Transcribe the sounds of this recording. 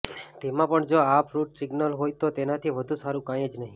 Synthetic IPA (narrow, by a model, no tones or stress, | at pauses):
t̪emãpəɳd͡ʒoapɾuʈsɪɡnəlɦojt̪ot̪enat̪ʰiʋəd̪ʱũsaɾũkãjed͡ʒnəɦĩ